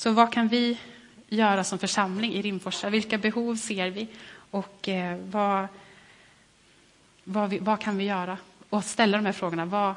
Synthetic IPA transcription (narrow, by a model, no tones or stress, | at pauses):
sɔvakʰanvɪ | jœːɾasɔmfœʂamlɪŋʔɪɾɪmːfɔʂavɪlkabɛɦuːvseːɾvɪɔkːva | vavɪvakʰanvɪjœːɾaɔst̪ɛlːad̪ɔmhæɾfɾoːɡʊɳava